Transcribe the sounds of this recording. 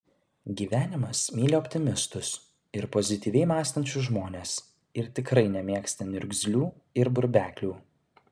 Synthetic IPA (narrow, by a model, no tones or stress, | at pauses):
ɡʲiːʋʲæːnʲɪmɐsmʲiːlʲeɔːpʲt̪ʲɪmʲɪst̪ʊs | ɪɾpɔzʲɪt̪ʲiːʋʲɛɪmɑːst̪ɐnʲt͡ʃʲʊʒmoːnʲeːs | ɪɾt̪ʲɪkɾɐɪnʲɛmʲiɛksʲt̪ʲɐnʲʊɾʲɡʲzʲlʲuː | ɪɾbʊɾʲbʲæːkʲlʲuː